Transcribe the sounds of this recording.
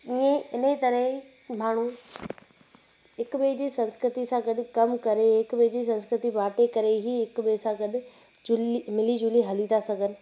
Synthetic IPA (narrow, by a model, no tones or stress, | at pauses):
iẽɪnəit̪ɐɾəɦ | maːɳ̤u | ɪkɓeːd͡ʑiːsɐ̃nskɾɪt̪isãːɡɐɗɪkɐmkɐɾeɦɪkbed͡ʑiːs̬ɐ̃nskɾɪt̪ibaːʈekɐɾeɦiɦɪkɓesãɡɐɗɪ̆ | d͡ʒʊlimɪlid͡ʑʊliɦɐlĩt̪asɐɡʱənɪ̆